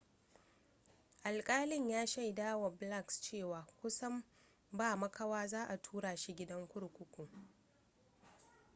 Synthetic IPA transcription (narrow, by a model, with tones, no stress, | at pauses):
ʔa˨lkʼaː˦lɪ˦ɲjaː˦ʃa˦˨jdaː˦wa˨bla˦˨kst͡ʃeː˦˨waː˨kʷʊ˦sɐ˦m | baː˦˨mɐ˦kʰa˦waː˦zaː˦ʔa˨tʰuː˦ɽaː˨ʃi˦ɡʲɪ˦dɐ˦ŋkʷʊ˦ɽkʷʊ˦kʷʊ˨ŋ